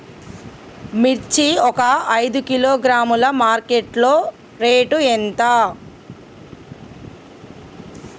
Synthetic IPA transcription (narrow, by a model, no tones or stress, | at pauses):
miɾt͡ʃiɔkɐɐjd̪ukiloːɡɾaːmulɐmaːɾkeʈloː | ɾeːʈuent̪aː